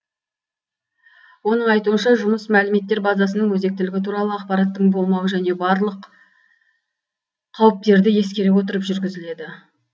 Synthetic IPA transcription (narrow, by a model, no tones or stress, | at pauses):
wo̞nəɴɑjt̪uənʃɑʒʊməsmælɪme̞t̪ːe̞ɾbazɑsənəɴwɵze̞k̚t̪ɪlɪɡʲɪt̪ʰuɾɑlˠəɑqpɑɾɑt̪ːəɴbo̞lˠmɑwəʒæne̞bɑɾlˠəq | qʰːɑwəp̚t̪e̞ɾd̪ɪje̞skʲe̞ɾewo̞t̪əɾəpʒʏɾɡʲɪzɪle̞d̪ɪ